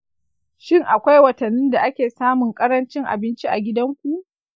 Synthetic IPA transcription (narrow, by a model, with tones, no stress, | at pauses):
ʃɪ˦ŋʔa˨kʷa˦jwɐ˨tɐ˨nːɪ˦nda˨ʔa˦kʲeː˨saː˦mʊ˨ŋkʼɐ˦ɾɐ˦nt͡ʃɪ˦ŋʔa̰˨bɪ˦nt͡ʃi˦ʔa̰˨ɡʲɪ˦dɐ˦ŋkʷu˨ʔ